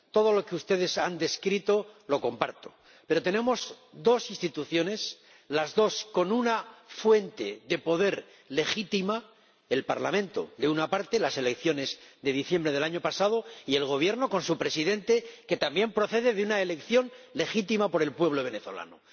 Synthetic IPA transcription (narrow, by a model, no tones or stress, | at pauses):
t̪o̞ðo̞lo̞keust̪e̞ð̞e̞sand̪e̞skɾit̪o̞lo̞ko̞mpaɾt̪o̞̥ | pe̞ɾo̞t̪e̞nẽ̞mo̞s | d̪o̞sinst̪it̪uθjo̞ne̞s | lazðo̞sko̞nunafwe̞nt̪e̞ðe̞po̞ðe̞ɾ | le̞xit̪ima | e̞lpa̰ɾlamẽ̞nt̪o̞̰ðe̞unapaɾt̪e̞lase̞lekθjo̞ne̞zd̪e̞ðiθje̞mbɾe̞ð̞e̞laɲo̞pasaðo̞ie̞lɣ̞o̞β̞je̞ɾno̞ko̞nsupɾe̞siðe̞nt̪e̞ke̞t̪ambje̞mpɾo̞θe̞ðe̞ðeunaele̞kθjo̞nle̞xit̪imapo̞ɾe̞lpwe̞β̞lo̞β̞e̞ne̞θo̞̰la̰no